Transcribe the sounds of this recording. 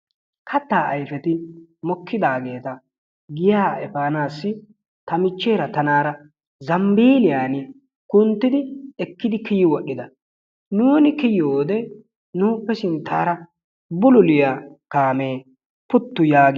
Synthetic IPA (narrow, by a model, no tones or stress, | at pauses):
kʰɐt̪ːaːʔɐjfɛt̪ɪmɔkːɪd̪aːɡe̞ːt̪ɐ | ɡɪjaːɛfaːnaːsːɪ | t̪ɐmɪt͡ʃːe̞ːɾɐt̪ɐnaːɾɐ | zɐmbiːlɪjaːnɪ | kʊnt̪ːɪd̪ɪɛkːɪd̪ɪkɪjɪwɔɗːɪd̪ɐ | nuːnɪkɪjɪoːd̪ɛ | nuːpːɛsɪnt̪ʰːaːɾɐ | bʊlʊlɪjakaːme̞ː | pʊt̪ːʊjaːɡ